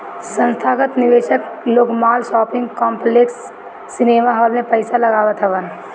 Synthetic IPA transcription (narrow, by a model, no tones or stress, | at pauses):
sə̃nst̪ʰaːɡət̪nɪʋeːʃəkloːɡmaːlʃɔːpɪ̃ŋɡkɔ̃ːmpleːksː | ɪneːmaɦɔːlmẽpəɪsalɐɡaːʋət̪ɦɛʋən